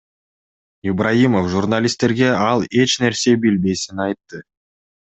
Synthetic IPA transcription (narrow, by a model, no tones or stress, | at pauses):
ɪbrajimofʒurnalʲist̪e̞ɾɡe̞ɑlˠe̞t͡ʃne̞ɾse̞bilbe̞sinɑjt̪ːɯ